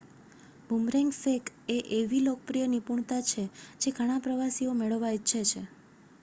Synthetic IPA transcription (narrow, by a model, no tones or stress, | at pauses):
bʱumɾeŋɡsekeʔeʋilok̚pɾijənipuɳ̃t̪at͡ʃʰed͡ʒeɡʱəɽ̃ãpɾəʋasiomeɭəʋːaitːʃʰet͡ʃʰe